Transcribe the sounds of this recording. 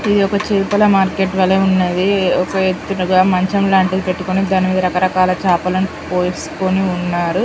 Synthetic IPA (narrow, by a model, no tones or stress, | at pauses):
id̪iɔkɐt͡ʃeːpɐlɐmaːɾkeːʈʋɐlɐunːeːd̪iɔkɐet̪ːunuɡaːmɐɲt͡ʃɐmlaːɳʈiɡ̪ipe̞ʈːukonid̪aːnimiːd̪ɐɾɐkɐɾɐkaːlɐt͡ʃaːpɐlɐni | poːsu̥koniunːaːɾu